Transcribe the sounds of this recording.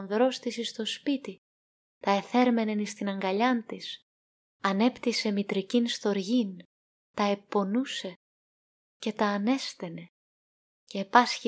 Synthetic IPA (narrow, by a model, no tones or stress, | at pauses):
nðɾo̞st̪isist̪o̞spit̪i | t̪ɐe̞θe̞ɾme̞nenist̪inɐŋɡɐʎɐnt̪is | ɐne̞pt̪ise̞mit̪ɾicinst̪o̞ɾʝin | t̪ɐe̞pːo̞nuse̞ | ce̞t̪ɐːne̞st̪e̞ne̞ | ceːpɐsçi